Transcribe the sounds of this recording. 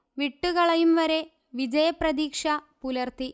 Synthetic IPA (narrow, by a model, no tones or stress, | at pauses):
ʋiʈːuɣɐɭɐjumʋɐɾe̞ | ʋid͡ʑɐjɐprɐðiːkʂɐpulɐrt̪i